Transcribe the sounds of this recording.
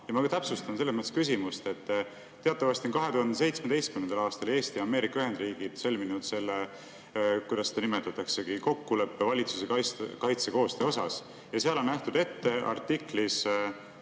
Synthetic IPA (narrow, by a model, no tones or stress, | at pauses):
jɑmɑt̪æpsust̪ɑnse̞lːesmət̪e̥skys̬ʲimust̪e̞t̪ː | e̞ɑt̪ːˑɑvɑst̪io̞nkɑɦe̞t̪uhɑnd̪ese̞jt̪smed̪e̞jst̪̚kymnend̪ɑlɑːst̪ɑle̞ːst̪iɑme̞ːɾikːɑyɦhe̞nd̪riːɡ̥id̪̥sø̞lminud̪se̞lːe | kujd̪ɑsːe̥d̪ɑnime̞t̪ːˑɑt̪ːˑɑkse̞ɡ̥iko̞kːule̞pːe̞vɑlʲit̪susekɑskɑjt̪se̞ko̞ːst̪eo̞sɑs | jɑseɑlo̞næht̪ud̪e̞t̪ːe̞ʔɑ̰rt̪ːiklis